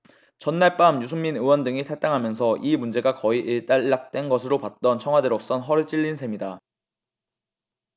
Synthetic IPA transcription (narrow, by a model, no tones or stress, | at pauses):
t͡ɕʌnːaɭp͈amjusʰumminɯwʌndɯŋitʰat͈aŋɦamjʌns̬ʰʌʔimund͡ʑe̞ɡakʌiʔiɭt͈aɭːak̚t͈we̞nɡʌsʰɯɾopat̚t͈ʌnt͡ɕʰʌŋɦwadɯɾʌk̚s͈ʌnɦʌɾɯɭt͡ɕ͈iʎːinsʰe̞mida